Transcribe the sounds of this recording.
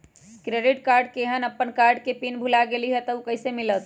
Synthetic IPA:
kɾeɖiʈkaɾɖkeɦənəpːənkaɾɖkepinbʱulaɡeliɦɛt̪əukəɪsemilət̪

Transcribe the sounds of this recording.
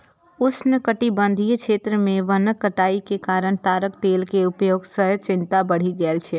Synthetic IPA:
ʊsnəkəʈibə̃nd̪ʱijkʃeːt̪ɾəmẽʋənəkːəʈaːikekaːɾəɽ̃t̪aːɾəkt̪eːlkeʊpjoːɡsəɦt͡ʃɪ̃nt̪abəɽ̤iɡɛlt͡ʃʰɛː

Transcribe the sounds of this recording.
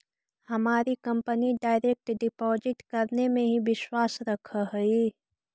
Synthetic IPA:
hɐmaːɾikɐ̃mpəniɖaːɪɾeːk̚ʈɖɪpɔːd͡ʒɪt̪kəɾnemẽɦibɪʃwaːsɾɐkʰaɦəi

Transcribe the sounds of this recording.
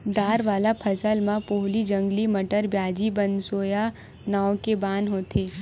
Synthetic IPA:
d̪aːɾʋaːlapʰəsəlmãpoɦlid͡ʒə̃ŋɡlimɐʈəɾbjaːd͡ʒibə̃nsoːja | naːokebaːnɦoːt̪ʰeː

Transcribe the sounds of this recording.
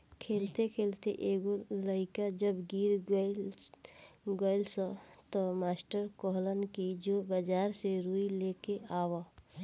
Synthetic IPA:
kʰeːlt̪ekʰeːlt̪eʔeːɡoləɪkad͡ʒəbɡiːɾ | ɡəɪlsət̪ɔmaːsʈəɾkoɦlənkid͡ʒobəd͡ʒaːɾseɾuːileːkeaːwa

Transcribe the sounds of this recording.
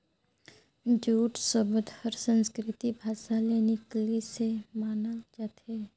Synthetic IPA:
d͡ʒuːʈsəbəd̪ʱhəɾsə̃nskɾɪt̪ibʱaːʃaleːniklisemaːnəd͡ʒaːt̪e

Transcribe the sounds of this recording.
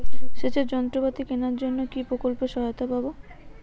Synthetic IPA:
ʃet͡ɕed͡ʑɔnt̪ɾobat̪ikenaɾd͡ʑonːokipɾokolpeʃɔɦot̪ababo

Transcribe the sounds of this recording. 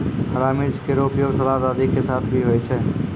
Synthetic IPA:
əɾamid͡ʒkeɾopjoɡsəlad̪ad̪ikesat̪ʰbʱiɦojt͡ʃʰɛ

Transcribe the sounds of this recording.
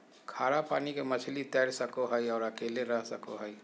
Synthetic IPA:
kʰaːɽapaːnikemət͡ʃʰlit̪ɛːɽsəkoɦəiɔːɾəkeːleɾəɦsɐko̰ɦəi

